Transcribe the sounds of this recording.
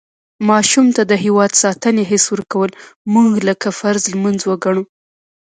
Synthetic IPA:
mɑʃumt̪ad̪əɦɪwɑd̪sɑt̪əneɦɪswəɾkawəlmuɡləkafaɾzlmanzwəɡaɳ̃u

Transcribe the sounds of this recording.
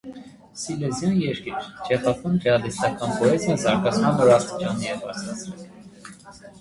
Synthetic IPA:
silɛzjɑnjɛɾkiɾd͡ʒʰɛχɑpɑnbɛɑd̪ist̪ɑkɑnpʰɔɛzɑzɑɾkɑt͡sʰmɑnɔɾɑst̪i̥t͡ʃɑniɛbɑɾt͡sʰɾɑt͡sʰɾɛl

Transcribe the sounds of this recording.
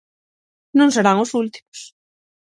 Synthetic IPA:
nõŋseɾaŋʊsult̪i̥mʊs

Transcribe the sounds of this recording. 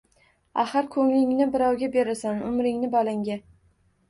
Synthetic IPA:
a̰χɨɾkʰɵŋlɪŋnɪbɪɾɒwɡʲabeɾasanʊmɾɪŋnɪbalaŋɡʲa

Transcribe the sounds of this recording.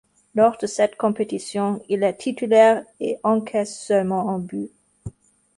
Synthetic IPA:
lɔʁd̪əsɛt̪kɔ̃pet̪isjɔ̃ilɛt̪ʰit̪ylɛʁeʔɑ̃kʰɛssœlmɑ̃ɑ̃by

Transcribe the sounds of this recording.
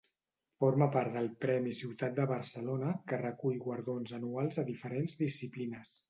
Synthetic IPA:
foɾməpaɾt̪d̪əlˠpɾɛmisiwt̪at̪̚d̪əβəɾsəlonəkərəkuʎɣwəɾðonzənualˠzəðifəɾenzðisiplinəs

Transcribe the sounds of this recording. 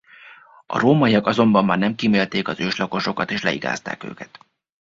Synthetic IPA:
ɒ̰ɾoːmɒiɒkɒzo̞mbɒmːaːrnɛmkimeːlt̪eːkɒzøːʃlɒko̞ʃo̞kɒt̪eːʃlɛ̰ḭɡa̰ːst̪a̰ːkø̰ːkɛt̪

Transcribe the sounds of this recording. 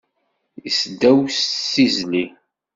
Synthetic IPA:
jisd̪æwssizli

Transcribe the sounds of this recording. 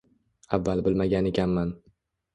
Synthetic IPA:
avːalbɪlmaɡʲane̞kʲʰanman

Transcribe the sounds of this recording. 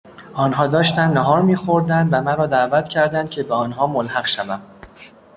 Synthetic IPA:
ʔɒːnɦɒːd̪ɒːʃt̪ænd̪næɦɒːɾmiːxo̞ɾd̪ænd̪væmæɾɒːd̪æʔvæt̪ʰcʰæɾd̪ænd̪̥cʲʰe̞beɒːnɦɒːmolhæɢʃævæm

